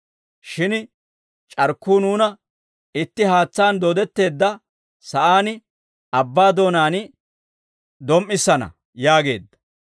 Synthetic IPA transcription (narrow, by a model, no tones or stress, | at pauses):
ʃɪn | t͡ʃʼɐɾkːuːnuːnɐ | ɪt̪ːɪɦaːt͡sːaːnd̪od̪ɛt̪ːe̞ːd̪ːɐ | sɐʔaːnɪ | ɐbːaːd̪o̞ːnaːn | d̪ɔmːɪsːɐnɐ̰ | jaːɡe̞ːd̪ːɐ̥